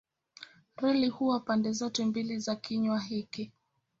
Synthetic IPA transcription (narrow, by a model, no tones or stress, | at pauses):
ɾɛlihuwapandɛzɔtɛmbilizakiɲwaɦiki